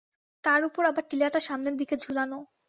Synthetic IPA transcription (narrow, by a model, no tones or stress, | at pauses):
t̪aɾupoɾabaɾʈilaʈaʃamneɾd̪iked͡ʑʱulano